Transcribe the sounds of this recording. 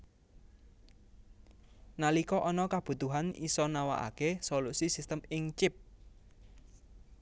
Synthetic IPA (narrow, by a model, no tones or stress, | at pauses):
nalikɔʔɔnɔkab̥ṳt̪uɦanḭsɔnawa̰ʔa̰kesolusisist̪əmɪŋt͡ʃɪp̚